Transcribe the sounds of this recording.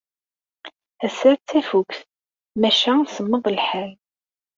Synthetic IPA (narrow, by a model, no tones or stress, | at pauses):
æsæɾt͡sːæfukθ | mæʃæsəmːəðˤəlħæl